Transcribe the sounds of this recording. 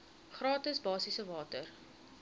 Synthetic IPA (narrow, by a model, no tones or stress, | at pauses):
χrɑːtəsbɑːsisəvɑːtər